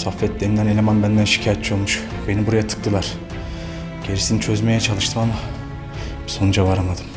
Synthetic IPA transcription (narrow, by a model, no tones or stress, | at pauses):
sofːɛt̪̚d̪end̪ænelʲemanbænd̪ænʃi̥cʰaːjɛt̪t͡ʃʰijolˠmuʃ | enibuɾajat̪ʰɯ̥k̚t̪ʰɯlˠaɾ̥ | ɟ̥e̞ɾisinit͡ʃʰøzmejɛt͡ʃʰalˠɯʃt̪ʰɯmama | bsonud͡ʒavaɾamad̪ɯm